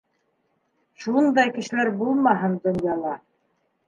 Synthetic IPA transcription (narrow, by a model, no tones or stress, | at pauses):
ʃund̪ɑjkɘ̆ʃɘ̆læɾbulˠmɑɦɤnd̪ŏnjɑlˠɑ